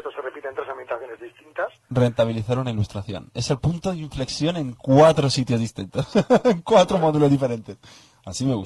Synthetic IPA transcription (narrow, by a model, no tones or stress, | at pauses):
t̪oserepit̪e̞nt̪ɾe̞sambjent̪aθjo̞nezðist̪int̪asre̞nt̪aβiliθaɾunailust̪ɾaθjo̞̰ne̞se̞lpunt̪oðiɱfle̞ksjo̞nẽ̞ŋkwat̪ɾosit̪jo̞zðist̪int̪osŋkwat̪ɾomoðulo̞zðife̞ɾe̞nt̪e̞s | asime̞ɣus